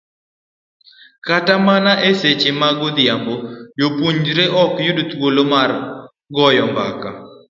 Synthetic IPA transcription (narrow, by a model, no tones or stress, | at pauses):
katamanaʔeset͡ʃemaɡʊd̪ɪjambojopuɲd͡ʒɾeʔɔkjʊdt̪wolomar | ɡɔjɔmba̰ka̰